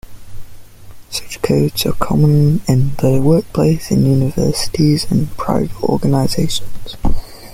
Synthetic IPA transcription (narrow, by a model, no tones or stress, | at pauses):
sʌt͡ʃkʰəʊdz̥ə̰kʰɒmə̃nɪ̃nðəwɜˑk̚pʰl̥eɪsɪ̰̃njʉːnɪvɜ̰ˑsɪ̥tʰizə̃npʰɹ̥a̰ɪvətɔ̰ːɡənaɪzeɪʃə̃nz̥